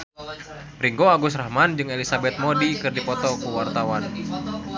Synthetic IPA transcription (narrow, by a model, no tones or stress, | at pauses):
riŋɡoaɡusrahmand͡ʒɨŋelisabɛt̪̚mɔdikɨrdipɔt̪ɔkuwart̪awan